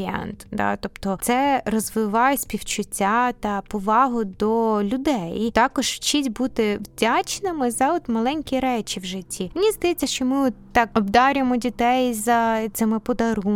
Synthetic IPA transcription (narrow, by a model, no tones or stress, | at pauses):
ɛ̰nt̪d̪ɑ̰t̪ɔpt̪ɔt̪sɛrɔzʋɪʋɑjesʲpʲiwt͡ʃʊtʲːat̪ɐpɔʋɑɦʊd̪ɔlʲʊd̪ɛjit̪ɑkɔʒ̥ft͡ʃitʲbut̪ɪwdʲat͡ʃnɪmɪzɐɔt̪mɐlˠɛnʲkʲiɾɛt͡ʃiwʒɪtʲʰːiminʲizd̪ɐjɛt͡sʲːɐʃt͡ʃɔmɪɔt̪ːɑkɔbd̪ɑɾʲɪmɔdʲit̪ɛjzɐt̪sɪmɪpɔd̪ɐɾu